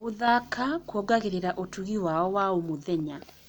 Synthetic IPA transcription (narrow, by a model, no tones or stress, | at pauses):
oðakʰakwɔɡaɣeɾeɾaʔotuɣiwaɔwaomoðɛɲa